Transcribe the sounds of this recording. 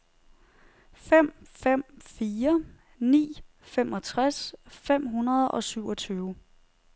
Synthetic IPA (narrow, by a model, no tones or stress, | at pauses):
fem̰fem̰fiːɐ | nḭː | femɒ̽t͡sʰʁasfem̰ɦunɐð̞ˠɒ̽syʊ̰ɒ̽t͡sʰyːʊə